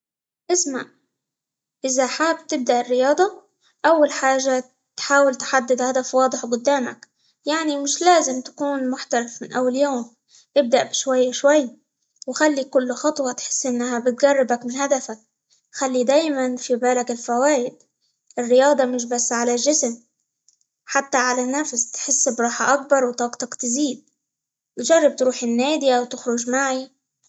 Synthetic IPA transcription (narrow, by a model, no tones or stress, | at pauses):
ʔɪsmaʔ | ʔɪzaħaːb̚t̪ɪb̚d̪aʔɪrːɪjɑːd̪ˤɑ | ʔawːalħaːʒːa | t̪ħaːwɪlt̪ħad̪ːɪd̪had̪afwɑːd̪ˤɨħɡʊd̪ːaːma̰k | jaʕnimɪʃlaːzɪmt̪ḁkuːnmʊħt̪aɾɪfmɪnʔawːaljoːm | ʔɪb̚d̪aʔbɪʃwajːaʃwajːa | wxalːikʊlːxɑt̪ˤwɑt̪ħɪ̥sːʔɪnːhabɪt̪̚ɡarˤːɪbakmɪnhad̪afak̚ | xalːid̪aːjmanfibaːlakɪlfawaːʔɪd̪ | ʔɪrːɪjɑːd̪ˤɑmɪʃ̬basːʕalalʒɪsm | ħat̪ːaʕalanːafst̪ħɪsːbɾˤɑːħaʔak̚bɑɾˤwt̪ˤɑːɡt̪ˤɑkt̪ziːd̪̚ | tʒɑrˤːɑb̚t̪ɾuːħɪnːeːd̪iawt̪ɪxɾʊʒmaʕi